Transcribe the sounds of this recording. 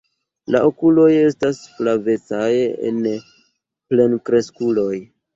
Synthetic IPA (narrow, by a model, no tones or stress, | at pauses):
la̰ʔo̞kulo̞je̞stasflave̞t͡sajḛn | ple̞nkɾe̞skulo̞j